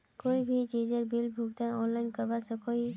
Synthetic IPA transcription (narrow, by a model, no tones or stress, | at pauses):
koːibʱid͡ʒid͡ʒəɾbilbʱuɡt̪ãɔːnlaɪnkəɾbasəkoɦi